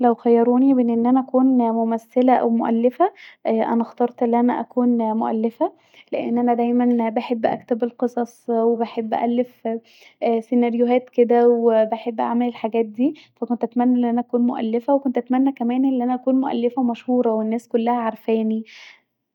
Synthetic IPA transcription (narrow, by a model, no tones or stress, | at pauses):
læwxæjːɑɾˤuːnimenːʔenːʔænæʔækuːnmomæsːelæʔæ̰wmoʔæ̰lːefæʔʔæ̰næxt̪ɑɾˤt̪ˤʔelːʔænæ̰ʔæ̰kuːnmoʔæ̰lːefæ | leʔḛnːʔænæd̪æjmænbeħebːʔæ̰kt̪ebelqesˤɑsˤwebeħebːʔæ̰ʔælːef | senɑɾjoɦæːt̪ked̪æwebeħebːʔa̰ʕmelelħaɡæːt̪̚d̪iːfækont̪ʔæt̪mænːæʔenːʔænæʔækuːnmoʔæ̰lːefæwekont̪ʔæt̪mænːækæmæːnʔenlːʔænæʔækuːnmoʔæ̰lːefæmæʃhuːɾˤɑwenːæːskolːæhæʕɑɾˤfæːni